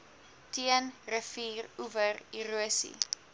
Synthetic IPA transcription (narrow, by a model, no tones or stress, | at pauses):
tiənrəfiːruvəriruəsḭ